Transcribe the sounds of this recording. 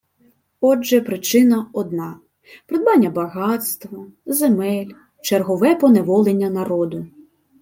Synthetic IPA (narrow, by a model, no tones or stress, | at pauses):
ɔd͡ʒɛpɾɪt͡ʃɪnɐɔd̪nɑ | pɾed̪̚bɑnʲːɐbɐɣɑt̪st̪ʋɔzemɛlʲ | t͡ʃerɦɔʋɛpɔneʋɔlˠenʲːɐnɐɾɔd̪ʊ